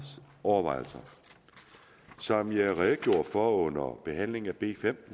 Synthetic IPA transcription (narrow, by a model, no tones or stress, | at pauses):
ɒʊɐʋɑ̈ɪ̰l̩sɐ | sɒ̽mjɑ̈ɪʁæðɡ̥jo̝ɐ̰̥fɒɔ̽n̰ɐb̥e̝ɦæn̰le̝ŋ̩æb̥e̝ːfem̰